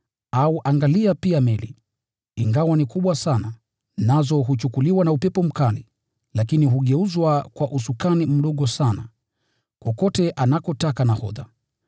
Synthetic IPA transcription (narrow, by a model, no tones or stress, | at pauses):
auʔaŋɡaliapiamɛli | iŋɡawanikuɓwasana | nazɔɦut͡ʃukuliwanaupɛpɔm̩kalḭ | lakiniɦuɠɛuzwakwaʔusukanim̩ɗɔɠɔsana̰ | kɔkɔtɛʔanakɔtakanahɔða̰